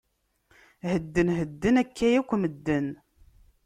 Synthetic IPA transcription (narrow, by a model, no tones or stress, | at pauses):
həd̪ːənɦəd̪ːənækʰːæjækʷːməd̪ːən